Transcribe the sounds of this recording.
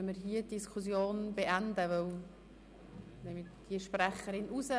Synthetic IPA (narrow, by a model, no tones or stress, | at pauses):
məɾɦiədiskʰusjoːnbeʔændəvœl | dɛmɪd̥iəʃprɛχəɾɪnʔuzə